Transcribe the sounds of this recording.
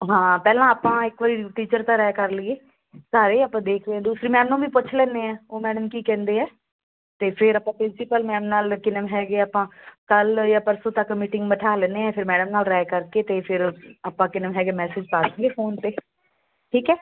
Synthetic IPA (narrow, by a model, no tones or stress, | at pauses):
ɦãːpɛːlãːaːpãːɪkʋəɾiːʈiːt͡ʃəɾt̪ãːɾɛːkəɾlieː | saːɾeːaːpːãːd̪eːkʰd̪eɛ̃ːd̪uːsɾiːmɛːmnõːʋiːpʊt͡ʃʰlɛ̃ːneːɛ̃ːoːmɛːɖəmkiːkɛ̃ːnd̪eːɛː | t̪eːpʰɪɾapãːpɾɪnsɪpəlmɛːmnaːlkɪnəmɦɛːɡeːaːpãːkəljaːpəɾsõːt̪əkːmiːʈɪ̃ŋɡməʈʰaːlɛ̃ːnd̪eːɛ̃ːpʰɪɾmɛːɖəmnaːlɾɛːkəɾkeːt̪eːpʰɪɾaːpãːkɪnəmɦɛːɡeːmɛːsɪd͡ʒpaːsə̃ŋɡeːpʰoːnt̪eː | ʈʰiːkɛː